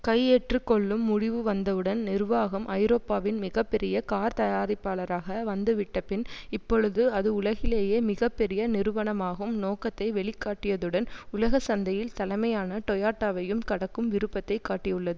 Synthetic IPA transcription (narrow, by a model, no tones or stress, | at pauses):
kɐjeʈrɯkːɔɭːɯmːʊɽɪʋɯʋɐnd̪ɐʋɯɽɐnnɪrʋaːɣɐmʔɐɪɾoːpːaːʋɪnmɪɣɐpːɛɾɪjɐkaːɾt̪ɐjaːɾɪpːaːɭɐɾaːɣɐʋɐnd̪ɯʋɪʈːɐpɪnɪpːɔɻɯðɯɐðɯʊlɐɣɪleːjeːmɪɣɐpːɛɾɪjɐnɪɾɯʋɐɳɐmaːɣɯmnoːkɐt̪ːɐɪʋɛɭɪkːaːʈːɪjɐðɯɽɐnʊlɐɣɐsɐnd̪ɐjɪlt̪ɐlɐɪmɐjaːnɐʈɔjaːʈːaːʋɐjɯmkɐɽɐkːɯmʋɪɾɯpːɐt̪ːɐɪkːaːʈːɪjɯɭːɐðɯ